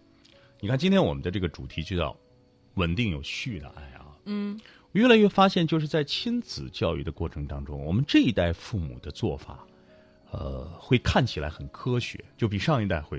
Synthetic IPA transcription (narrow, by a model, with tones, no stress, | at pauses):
ni˨˩kʰa˥˩nt͡ɕi˥nt̪ʰjɛ˥nwɔ˨˩mə˦nt͡s̪dʈ͡ʂɤ˥˩ɡə˩ʈ͡ʂu˨˩t̪ʰi˧˥t͡ɕjo˥˧t̪ɑ̰˥˩ʊ | wə˨˩nt̪i˥˩ŋjo˨˩ʊɕy˥˩d̪ə̰˩ʔa̰˥˩ɪɐ̰˨˩˥ | wɔ˨˩ɥɛ˥˩la˧˥ɥɛ˥˩fa˥ɕjɛ˥˧nt͡ɕjo˥˧ʊʂɻ̩˥˧t͡sa˥˩ɪt͡ɕʰi˥nt͡sɹ̩˨˩t͡ɕjɑ˥˧ʊy̰˥˩ə˩kwɔ˥˩ʈ͡ʂʰɤ˧˥ŋt̪ɑ˥ŋʈ͡ʂʊ̰˥ŋwɔ̰˨˩mə˦nʈ͡ʂɤ˥˩i˧˥t̪a˥˧ɪfu˥˩mṵ˨˩d̪̥ə˦t͡swɔ̰˥˩fa̰˨˩˦ | ə̰˧xwe˥˩ɪkʰa˥˩nt͡ɕʰi˨˩la̰˧˥ɪxə˨˩nkʰɤ˥ɕɥɛ̰˧˥˦t͡ɕjo˥˩ʊp̬i˨˩ʂɑ˥˧ŋi˥˧t̪a˥˧ɪxwe˥˩